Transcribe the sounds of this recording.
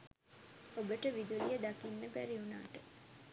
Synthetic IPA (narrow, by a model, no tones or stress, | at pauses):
obəʈəʋid̪ulijəd̪akinːəbæɾiuna̰ːʈə